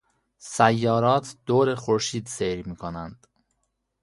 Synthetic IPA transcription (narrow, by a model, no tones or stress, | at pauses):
sæjːɒːɾɒːt̪ʰd̪̥oːɾeχoɾʃiːd̪seɾmiːkʰonænd̪̥